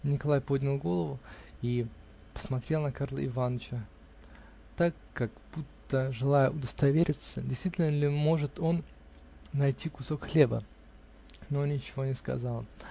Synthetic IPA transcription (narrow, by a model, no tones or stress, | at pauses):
nʲɪkɐlˠajpo̞d̪ʲnʲɪlˠɡo̞lˠəvʊi | pə̥smɐt̪ɾʲelˠnəkarlˠə̰ɪvanət͡ɕə | t̪akːakb̥ut̪ːəʐɨlˠajəʊd̪əst̪ɐvʲeɾʲɪt̪sədʲɪjst̪vitʲɪlʲnəlʲɪmo̞ʐɨt̪o̞nː | ɐjtʲʰikʊso̞kxlʲe̞bə̰ | no̞nʲɪt͡ɕɪvo̞nʲɪskɐ̰zalˠ